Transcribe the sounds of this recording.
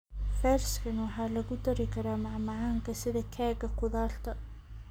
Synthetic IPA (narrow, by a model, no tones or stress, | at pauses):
fɛːrskʰɐnwɑħɑːlɐɣʊd̪ɐɾɪkʰɐɾaːmɑʕmɑʕɑːŋkʰɐsɪðɐkʰɛːɣɐqʊðaːlt̪ʰɐ